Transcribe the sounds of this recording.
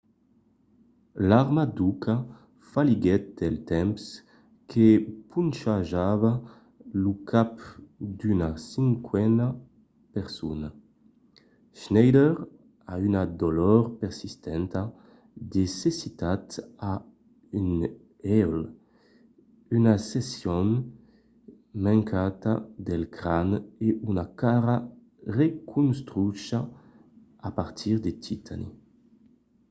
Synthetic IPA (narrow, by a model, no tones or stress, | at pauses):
laʁmad̪ukʰa | faliɡɛt̪̚d̪ɛlt̪ɛmps | kʰepunʃaʒava | lukʰapd̪ynasiŋkʰwɛna | pɛʁsuna | ʃnɛjd̪ɛʁ | aynad̪olɔɾpɛʁsist̪ɛnt̪a | d̪esesit̪at̪a | yn | ɛl | ynasesjɔn | maŋkʰat̪a̰d̪elkɾaneʔynakaɾa | rekʰunst̪ɾyʃaː | paɾt̪ʰiʁd̪et̪it̪ʰa̰nḭ